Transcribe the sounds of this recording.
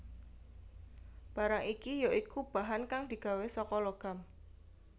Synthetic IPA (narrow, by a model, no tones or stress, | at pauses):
b̥a̤ɾaŋikijoʔikub̥aɦankaŋd̪̥i̤ɡ̥a̤wesɔkɔloɡ̥a̤m